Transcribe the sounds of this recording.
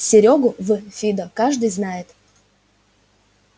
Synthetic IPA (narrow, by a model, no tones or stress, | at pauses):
sʲɪɾʲoɡʊvɨfʲid̪əkaʐd̪ɨjznajɪt̪